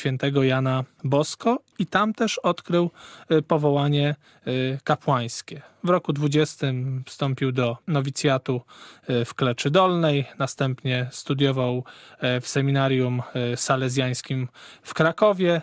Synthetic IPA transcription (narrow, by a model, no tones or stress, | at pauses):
fʲjɛnt̪ɛɡɔjanabɔskɔ | it̪amt̪ɛʂɔt̪kɾɘwpɔvɔwaɲɛ | kapwaj̃skʲɛvɾɔkud̪vud͡ʑɛst̪ɘmfst̪ɔmpʲiwd̪ɔnɔvʲit̪sʲjat̪ufklɛt͡ʂɘd̪ɔlnɛjnast̪ɛmpɲɛst̪ud̪ʲjɔvawfsɛmʲinaɾʲjumsalɛzʲjaj̃skʲimfkɾakɔvʲjɛ